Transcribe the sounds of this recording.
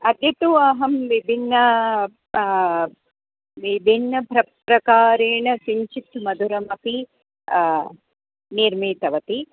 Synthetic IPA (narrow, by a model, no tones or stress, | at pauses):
ɐd̪jɐt̪uɐɦɐmʋibʱinːɐ | ʋibʱinːɐpɾɐpɾɐkaːɾeːɳɐsiɲt͡ʃit̪mɐd̪uɾɐmɐki | niɾmiːt̪ɐʋɐt̪i